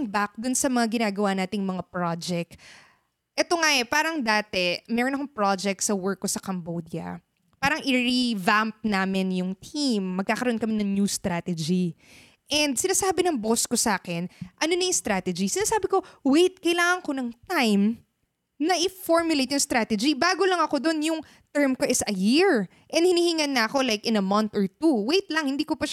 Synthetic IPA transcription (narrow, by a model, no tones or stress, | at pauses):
ŋbak̚d̪ʊnsɐmɐŋaɡɪnaːɡɐwanaːt̪ɪŋmɐŋapɹad͡ʒɛk̚t̪ | ʔɛt̪o̞ŋaʔɛpaːɾɐŋd̪aːt̪ɛmɛɾonɐkoŋpɹad͡ʒɛk̚t̪sɐwɛɹkːosɐkɐmbod̪jɐ̰ | paːɾɐŋʔɪɹivamp̚naːmɪnjʊŋt̪ʰimːɐɡ̚kaːkɐɾoʔonkɐmɪnɐŋnjust̪ɾat̪ɛd͡ʒi | ʔɛnd̪̚sɪnaːsaːbɪnɐŋboskosɐʔaːkɛnʔɐnonɐjʊŋst̪ɾaːt̪ɛd͡ʒisɪnaːsaːbɪko̞wejt̪̚kɐjlaːŋɐŋko̞nɐŋt̪ajm | nɐʔɪfoɹmjʊlejt̪jʊŋst̪ɾaːt̪ɛd͡ʒibaːɡolɐŋɐko̞d̪o̞njʊŋ | t̪ɛɹmkoʔɪsɐjiɹ | ʔɛnd̪hɪnihiŋɐnːɐʔɐko̞lajkʔɪ̃nɐmɐnt̪ɔɹt̪uwejt̪lɐŋhɪnd̪iːkopɐʃ